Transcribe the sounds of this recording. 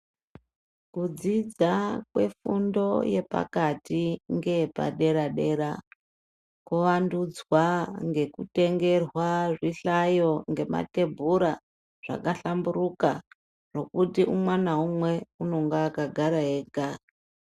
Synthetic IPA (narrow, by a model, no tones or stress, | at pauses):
kud͡zid͡zakwe̞̰fundo̞je̞pa̰katiŋɡe̞pa̰ɗe̞ɾaɗe̞ɾa | kuʋandud͡zwaŋɡe̞kute̞ŋɡe̞rwaʐiɬajo̞ŋɡe̞ma̰te̞bʱuɾa | ʐ̥a̰kaɬamburuka | ro̞kutiumwanaumwe̞uno̞ŋɡaːkaɡʱaɾaɦeːɡʱa